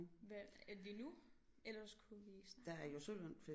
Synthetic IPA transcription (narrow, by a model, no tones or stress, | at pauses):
ʋeædinu | elɐskʰuʋiːsd̥ææɐjosølənfe